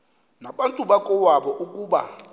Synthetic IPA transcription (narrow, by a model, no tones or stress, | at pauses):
naɓantʼuɓakʼɔwaɓɔʔukʼuːɓa̰